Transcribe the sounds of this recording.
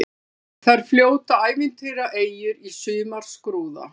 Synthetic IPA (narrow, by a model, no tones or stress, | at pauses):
θaɾ̥fljoːwt̪aaːjvɪnt̪ʰejɾaʔeːjʏɾisʏːmaɾ̥skɾuːða̰